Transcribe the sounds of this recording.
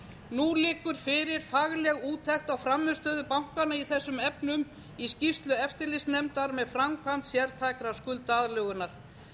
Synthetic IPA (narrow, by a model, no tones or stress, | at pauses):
nulɪːkʏɾ̥fɪɾɪɾ̥faɣlɛɣuːt̪ʰːɛxt̪awfɾamːʏst̪œːðʏpawŋ̥kanaiθɛsːʏmɛpnʏm | iscist̪lʏɛft̪ɪɾlɪst̪nɛmt̪aɾmɛðfɾamkʰvan̥t̪sjɛɾt̪ʰaːjkɾaskʏlt̪aðlœːɣʏnːaɾ̥